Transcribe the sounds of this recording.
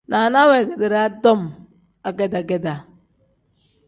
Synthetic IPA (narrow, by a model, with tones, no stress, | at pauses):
na˨na˦wɛ˨ɡe˨dɪ˨ɾa˦dɔ˦m | a˨ɡɛ˦da˨ɡɛ˦da˨